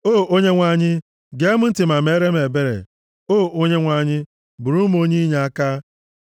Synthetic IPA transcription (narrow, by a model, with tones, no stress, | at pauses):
o˦˨ʔo˦ɲe˦ŋʷa˨ɲɪ˦ | ɡe˦mʊ˦n̩˦tɪ˨ma˨m˦e˦ɾe˦m˦e˨be˦ɾḛ˨ | o˦˨o˦ɲe˦ŋʷa˨ɲɪ˦ | bu˨ɾu˦m˦o˦ɲi˦ɲe˨a˦ka˦